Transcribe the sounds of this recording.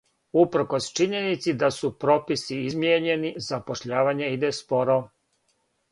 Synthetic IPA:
upɾ̩ko̞st͡ʃiɲe̞nit̪sid̪asupɾo̞pisiizmjeɲe̞nizapo̞ʃʎaːʋaɲeid̪espo̞ɾo

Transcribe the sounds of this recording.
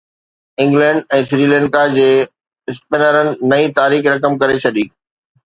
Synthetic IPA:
ɪ̃ŋɡlɛ̃ːɳɖɛ̃ːsɾiːlɛ̃ːɳkad͡ʑeː | ɪspeːnəɾənɪ̆nɐit̪aːɾiːxɾɐkəmkɐɾet͡ɕʰɐɗiː

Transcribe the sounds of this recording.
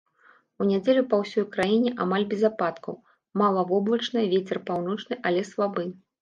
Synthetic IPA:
unʲad͡zʲelʲupɐwsʲɔjkɾajinʲɛʔamalʲbʲɛzapat̪kɐw | malˠɐvɔblˠɐt͡ʂnɐjvʲet͡sʲɛrpawn̪ɔt͡ʂnɨʔalʲɛslˠabɨ

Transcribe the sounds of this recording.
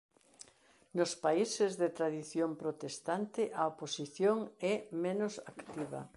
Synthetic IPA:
nʊspaisɪzðɪt̪ɾaðiθjompɾot̪est̪ant̪ɪʔɐoposiθjoŋɛmẽnʊsakt̪iβɐ̰

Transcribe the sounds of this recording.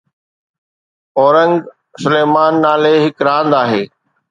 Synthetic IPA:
ɔːɾə̃ŋɡ | sʊleːmaːnːaːleɦɪkɾãːnd̪aːɦeː

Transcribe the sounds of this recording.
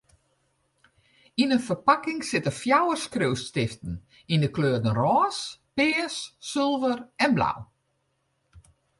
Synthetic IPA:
inənfərpakɪŋsɪtəfjawəskrøːstɪftən̩ | indəkløːdənrɔːspɪːsːølˠvərɛnbla̰w

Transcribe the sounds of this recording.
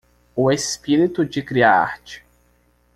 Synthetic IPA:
ʊespiɾit̪ʊd͡ʒɪkɾiaa̰ɾt͡ʃɪ̥

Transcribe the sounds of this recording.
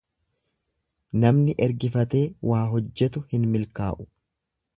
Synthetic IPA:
nɐmnɪʔɛɾɡɪfɐt̪e̞ːwʔaːɦɔd͡ʒːɛt̪ʊhɪnmɪlka̰ːʔʊ̥

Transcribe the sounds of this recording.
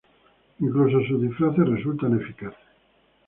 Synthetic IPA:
iŋklus̬oasuðifɾaθeresult̪anefikaθe̥

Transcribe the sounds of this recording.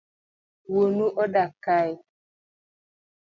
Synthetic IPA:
wonuʔɔɗakaj

